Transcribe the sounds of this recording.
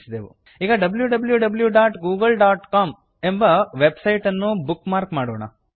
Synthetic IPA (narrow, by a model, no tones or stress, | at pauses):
sid̪eːʋṵ | iːɡɐɖɐbljuɖɐbljuɖɐbljuɖaːʈɡuːɡɐlɖaːʈkaːm | e̞mbɐʋebsɐjʈɐnːubukːmaːɾkmaːɽɔːɳɐ̰